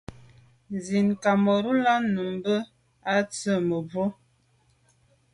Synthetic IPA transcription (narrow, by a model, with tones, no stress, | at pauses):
zi˨nka˨mɔ˨ɾu˦la˦nu˨m˦bə˦ | a˦t͡sə˦˨mə˨bo˦